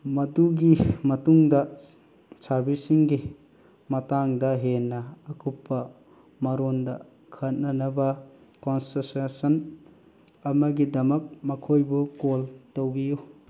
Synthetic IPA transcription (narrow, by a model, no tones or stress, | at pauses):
mɐduɡimɐtuŋdɐ | saɾbisiŋɡi | mɐtaŋdɐɦenːɐːkʰupːɐ | mɐɾondɐ | kʰɐt̚nɐnɐbɐkonsɐɾsesɐn | ɐmɐɡidɐmɐk̚mɐkʰojbukoltowbiju